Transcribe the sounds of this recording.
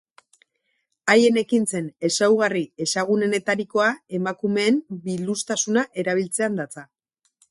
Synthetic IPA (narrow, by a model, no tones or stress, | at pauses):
aje̞ne̞kinse̞ne̞sawɣ̞arie̞saɣ̞une̞ne̞t̪aɾiko̞ae̞makume̞ːmbilust̪asunaʔe̞ɾaβ̞ilt͡se̞and̪at͡sa